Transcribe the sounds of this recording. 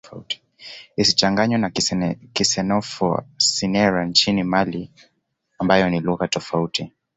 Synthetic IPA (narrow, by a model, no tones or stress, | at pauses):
uti̥ | isit͡ʃaŋɡaɲwɛnakisɛnɔfɔ̰sinɛɾant͡ʃinimali | ambajɔniluɣatɔfauti